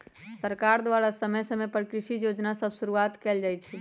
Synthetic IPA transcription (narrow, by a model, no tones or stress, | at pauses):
səɾkaɾd̪waɾasəməjsəmepɾikɾiʃijod͡ʒnasəbʱsuɾuat̪kɛld͡ʒajt͡ʃʰi